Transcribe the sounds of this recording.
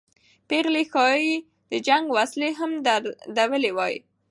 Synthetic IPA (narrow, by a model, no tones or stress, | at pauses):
peɣlexɑi | d̪̥əd͡ʒaŋɡwasleɦamd̪aɾd̪awəlewɑjḭ